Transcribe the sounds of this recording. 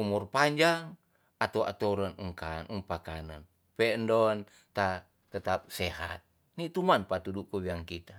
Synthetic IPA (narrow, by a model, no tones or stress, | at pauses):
umurpaɲd͡ʒaŋ | at̪aua̰t̪oɾanuŋkanuŋpakanan | pɛndɔn | t̪a | t̪ət̪ap̚sɛɦa̰t̪̚ | nit̪umanpat̪udukuwiaŋkit̪a